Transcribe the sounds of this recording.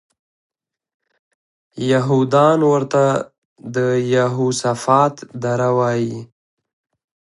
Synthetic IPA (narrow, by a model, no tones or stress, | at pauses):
jaɦud̪ɑnwəɾt̪a | d̪əjaɦusafɑt̪d̪aɾawɑji